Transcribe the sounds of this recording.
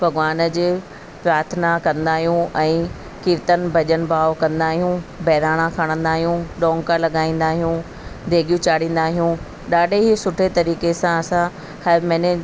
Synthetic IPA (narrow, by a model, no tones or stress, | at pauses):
bʱɐɡʋaːn̆d͡ʑe | pɾaːɾt̪ʰənakɐ̃nd̪aːɦijũʔɛ̃ː | kɪɾt̪ənbʱɐʄənbaːʋkɐ̃nd̪aːɦijũbʱɛːɾaːɽ̃akʰɐɽ̃ə̃nd̪aːɦijũɗɔ̃ːŋkalɐɠaːĩːn̆d̪aːɦijũ | d̪ʱeːɡijũt͡ɕaːɽ̤ĩːn̆d̪aːɦijũ | ɗaːɖʱeɦisʊʈʰet̪ɐɾiːkesãɐsã | hɐmɛ̃ne